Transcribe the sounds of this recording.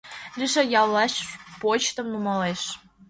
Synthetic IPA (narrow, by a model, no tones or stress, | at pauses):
liʃejɑwlɑʃpot͡ɕt̪ə̆mnumɑleʃ